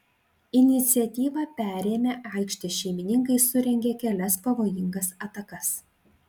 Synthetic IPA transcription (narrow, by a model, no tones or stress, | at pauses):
ɪnʲɪt̪sʲɪɛt̪ʲiːʋɐpʲæːɾʲeːmʲeːʔɐˑɪkʃʲt̪ʲɪʃʲɛɪmʲɪnʲɪŋkɐɪsʊɾʲɛŋʲɡʲeːkʲɛlʲɛspɐʋoːjɪŋɡɐsɐt̪ɐkɐs